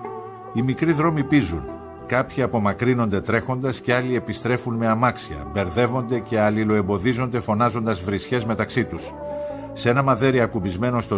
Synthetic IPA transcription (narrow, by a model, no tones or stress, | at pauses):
imikɾiðɾo̞mipizun | kɐpçiɐpo̞mɐkɾino̞nd̪e̞t̪ɾe̞xo̞nd̪ɐsce̞ɐlie̞pist̪ɾe̞funme̞ɐmɐksiɐ̰be̞ɾðe̞vo̞nd̪e̞ce̞ɐlilo̞e̞mbo̞ðizo̞nd̪e̞fo̞nɐzo̞nd̪ɐzvɾisçe̞zme̞t̪ɐksit̪us | se̞nɐmɐðe̞ɾiɐkubizme̞no̞st̪o